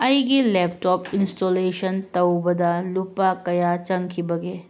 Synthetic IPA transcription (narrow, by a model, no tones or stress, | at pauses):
ɐjɡilɛp̚ʈɔpinsʈoleʃɐnt̪ɐwbɐd̪alupakɐjat͡ʃɐŋkʰibɐɡe